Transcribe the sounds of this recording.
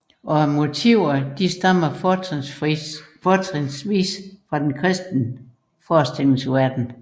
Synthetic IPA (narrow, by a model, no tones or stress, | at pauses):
ʔɒ̽mo̝t͡sʰiʊɐd̥isd̥ɑm̰ɐ | fɒːt͡sʰʁensʋḭːsfʁɑ̈d̥enkʰʁɛsd̥nə | fɒːsd̥eln̩suʋæɐ̰d̥n̩